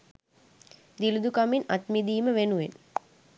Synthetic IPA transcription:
d̪ilud̪ukaminat̪mid̪iːməʋenuʋen

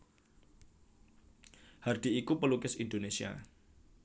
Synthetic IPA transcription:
hard̪̥i̤ikupəlukɪsindonesia̰

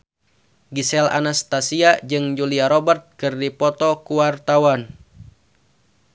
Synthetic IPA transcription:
ɡisɛla̰nast̪asiad͡ʒɨŋd͡ʒuliaɾɔbərt̪̚kɨrdipɔt̪ɔkuwart̪awan

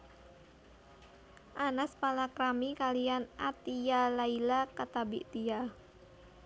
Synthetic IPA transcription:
ʔanaspalakɾamikalijanʔat̪ijalailakat̪abiʔt̪ija

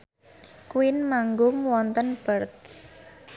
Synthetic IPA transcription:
kuɪnmaŋɡʊŋwɔnt̪ənb̥ərt̪̚

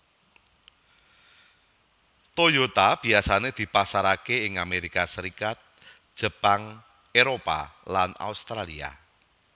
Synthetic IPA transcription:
t̪ojot̪ab̥i̤asaned̪̥i̤pasaɾakeɪŋameɾikasəɾikat̪̚ | ʒ̥ə̤paŋ | eɾopa̰lana̰ust̪ɾalia̰

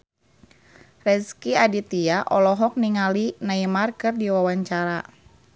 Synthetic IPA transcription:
rɛskiadit̪iaʔɔlɔɦɔk̚niŋalinaimarkɨrdiwawaɲt͡ʃaɾa

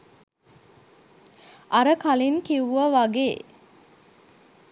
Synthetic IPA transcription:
ʔɐɾəkaliŋkiʋuʋɐʋaɡeː

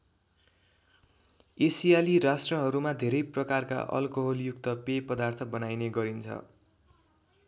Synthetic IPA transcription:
esijaliɾasʈrʌɦʌɾumad̪ʱeɾʌjprʌkarka̰ʔʌ̰lkoɦoljuk̚t̪ʌpepʌd̪art̪ʰʌbʌnajneɡʌɾint͡sʰʌ̰

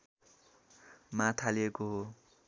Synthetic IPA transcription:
mãt̪ʰalekoɦo

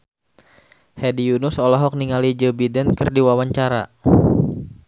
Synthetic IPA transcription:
hɛdijunʊsɔlɔɦɔk̚niŋalid͡ʒəbidɛnkɨrdiwawaɲt͡ʃaɾa̰

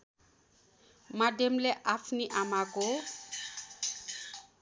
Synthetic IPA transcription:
mademleʔapʰniʔamako

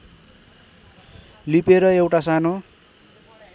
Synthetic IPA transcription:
lipeɾʌewʈasano

